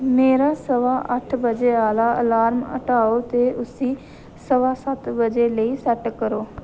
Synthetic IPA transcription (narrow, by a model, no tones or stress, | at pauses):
meːɾaːsəʋaːʔəʈʰbəd͡ʒeːaːlaːʔə̰laːɾmə̰ʈaːoːt̪eːʔʊsĩː | səʋaːsət̪bəd͡ʒeːləiːsəʈkːəɾoː